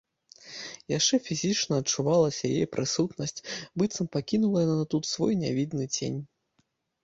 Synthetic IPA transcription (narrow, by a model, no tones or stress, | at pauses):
jaʂt͡ʂɛfʲizʲit͡ʂnɐːt͡ʂuvalˠɐsʲɐjḛjpɾʔɨsut̪nɐsʲt͡sʲbɨt̪sɐmpakʲinulˠɐjɛnɐnɐt̪ut̪svɔjnʲa̰vʲid̪nɨt͡sʲḛnʲ